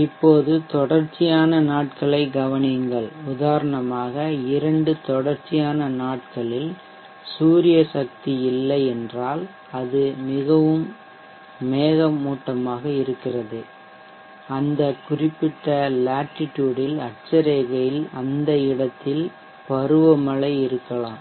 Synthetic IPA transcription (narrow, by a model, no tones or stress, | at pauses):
ɪpːoːðɯt̪ɔɽɐɾt͡ʃːɪjaːnɐnaːʈ̚kɐɭɐɪɡɐʋɐnɪŋɡɐɭʊðaːɾɐɳɐmaːɣɐɪɾɐɳɖɯt̪ɔɽɐɾt͡ʃːɪjaːnɐnaːʈkɐɭɪl | suːɾɪjɐsɐk̚t̪iɪlːɐɪɛndraːl | ɐðɯmɪɣɐʋɯmː | eːɣɐmuːʈːɐmaːɣɐɪɾɯkːɪrɐðɯ | ɐnd̪ɐkʊrɪpːɪʈːɐlaːʈːɪʈːjuːɽɪlɐʈ̚t͡ʃɐɾeːɣɐjɪlɐnd̪ɐɪɽɐt̪ːɪl | pɐɾɯʋɐmɐɭɐɪɪɾɯkːɐɭaːm